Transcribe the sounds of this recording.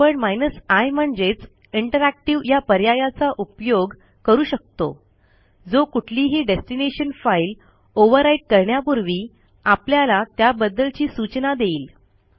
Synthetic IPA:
əɳmajnəsajm̤əɳd͡zet͡s | iɳʈəɾæk̚ʈiʋjapəɾjajat͡saʔupjoɡ | kəɾuːɕək̚t̪o̰ | d͡zokuʈʰliːɦiɖesʈineɕənfail | oʋəɾaiʈ̚kəɾɳjapuɾʋiː | apljalat̪jabəd̪ːəlt͡ɕiːsut͡ɕnad̪eiːl

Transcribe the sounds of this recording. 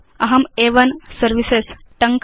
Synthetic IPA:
ɐɦɐmeʋənsəɾʋises | ʈəŋk

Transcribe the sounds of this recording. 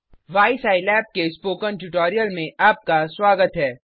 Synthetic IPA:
ʋaːɪsaːɪlɛːp̚kespoːkənʈuʈɔːɾijəlmẽʔaːp̚kaswaːɡət̪ɦɛː

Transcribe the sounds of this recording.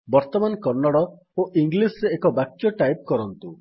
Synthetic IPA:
bɔɾt̪ɔmankɔɾnːɔɽɔ | oʔiŋɡlisɾeːkɔbakjɔʈajp̚kɔɾɔnt̪u

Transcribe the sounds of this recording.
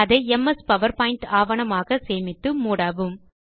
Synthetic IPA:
ɐðɐɪɛmɐspɐʋɐɾpaːɪɳʈaːʋɐɳɐmaːɣɐseːmɪt̪ːɯmuːɽaːʋɯm

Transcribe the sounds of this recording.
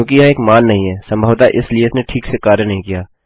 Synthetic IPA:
jõːkijɐɦeːkmaːnːɐɦĩɦɛːsɐ̃mbʱəʋt̪aʔɪslieɪsneʈʰiːksekaːɾjənɐɦĩkijaː

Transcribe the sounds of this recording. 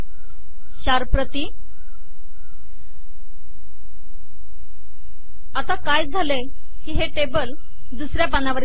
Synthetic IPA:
ɕaɾpɾət̪iː | at̪akajd͡zʱale | kiːɦeʈebəl | d̪usɾjapanaʋəɾ

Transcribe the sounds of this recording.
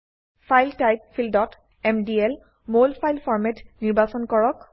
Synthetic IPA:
fʰajltajk̚fʰildɔt | ɛmdiɛl | molpʰajlfʰɔɹmetniɹbasɔnkɔɹɔk

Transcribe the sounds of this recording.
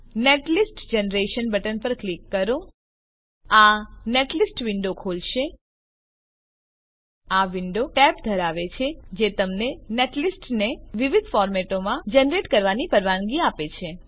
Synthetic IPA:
neʈlisʈd͡ʒenɾeʃənbəʈənpəɾklikːəɾo | aneʈlisʈʋɪɳɖokʰolʃe | aʋɪɳɖoʈɛpd̪ʱəɾaʋet͡ʃʰed͡ʒet̪əmneneʈlisʈneʋiʋid̪ʱfɔɾmɛʈomãd͡ʒənɾeʈkəɾʋanipəɾʋanɡiapet͡ʃʰe

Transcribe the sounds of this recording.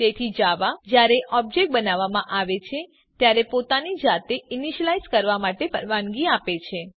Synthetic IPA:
t̪et̪ʰid͡ʒaʋad͡ʒjaɾeʔʔɔb̚d͡ʒek̚ʈ̚bənaʋamãʔaʋet͡ʃʰe | t̪jaɾepot̪anid͡ʒat̪einiʃəlaizkəɾʋamaʈepəɾʋanɡiapet͡ʃʰe

